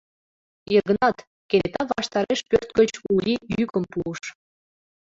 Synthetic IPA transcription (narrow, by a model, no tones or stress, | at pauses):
irɣə̆nɑt̪ | kenet̪ɑβɑʃt̪ɑɾeʃpørt̪̚ɡət͡ɕulʲijykəmpuəʃ